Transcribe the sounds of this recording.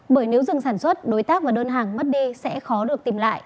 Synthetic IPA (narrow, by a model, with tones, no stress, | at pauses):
ɓəː˧˩jne˨˦wzɨ˨˩ŋsaː˧˩nswə˦˥t̚ɗo˨˦jt̪aː˦˥k̚vaː˨˩ɗəː˧nɦaː˨˩ŋmə˦˥t̚ɗi˧sɛ̰˧˥xɔ˨˦ɗɨ˨˩ək̚t̪i˨˩mla̰ː˧˨jʔ